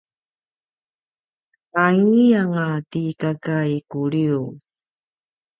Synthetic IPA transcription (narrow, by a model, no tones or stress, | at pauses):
aŋijaŋatikakaikuɭiu